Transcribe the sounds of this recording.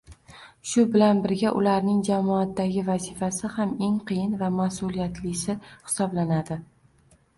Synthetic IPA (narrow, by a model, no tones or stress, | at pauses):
ʃʊbɪlanbɪɾɡʲaʔʊlaɾnɪŋd͡ʒamɒat̪ːaɡʲɪvazifasɪhame̞ŋqʰɨjɪnvamasʊlˠijat̪ʰlɪsɪhɪ̥sɒblanad̪ɪ